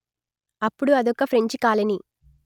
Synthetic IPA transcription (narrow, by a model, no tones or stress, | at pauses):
ɐpːuɽuɐd̪ɔkːɐpʰɾeɲt͡ʃikaːlɐni